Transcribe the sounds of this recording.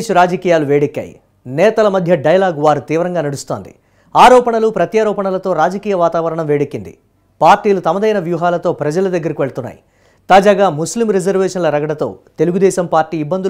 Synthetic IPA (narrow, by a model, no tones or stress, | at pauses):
ʃuɾaːd͡ʒɐkiːjaːluʋeːɽekːja̰ːjḭ | nɛːt̪ɐlɐmɐd̪ʱjɐɖɐjɐlaːɡʋaːɾut̪iːʋɐɾɐŋɡaːnɐɽust̪o̞ːnd̪ḭ | aːɾɔːpɐɳɐlupɾɐt̪jaːɾɔːpɐɳɐlɐt̪o̞ːɾaːd͡ʒɐkiːjɐʋaːt̪aːʋɐɾɐɳɐmʋeːɽekːind̪ḭ | paːɾʈiːlut̪ɐmɐd̪ɐjnɐʋjuːɦaːlɐt̪o̞ːpɾɐd͡ʒɐlɐd̪ɐɡːɐɾikiʋeɭɐt̪unːa̰ːji | t̪aːd͡ʒaːɡaːmuslimɾed͡ʒɐɾʋɛːʂɐnlɐɾɐɡɐɽɐt̪o̞̰ːt̪e̞luɡud̪ɛːʃɐmpaːɾʈiːibːɐnd̪u